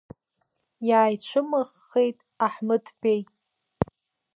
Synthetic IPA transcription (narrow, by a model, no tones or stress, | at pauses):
jaːjt͡ɕʷʰɨmɨʁːe̞jtʼ | aħmɨtʰpej